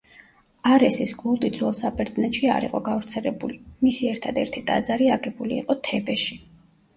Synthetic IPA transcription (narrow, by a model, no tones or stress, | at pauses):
aɾɛsisɡulˠt̪ʼid̪zwɛlˠsapʰʼɛɾd̪znɛt̪ʃia̰ɾḭqʼɔɡavɾt̪sʰɛlɛbulimisiɛɾt̪ʰad̪ɛɾt̪ʰit̪ʼa̰d̪zaɾiaɡɛbulḭːqʼɔt̪ʰɛbɛʃi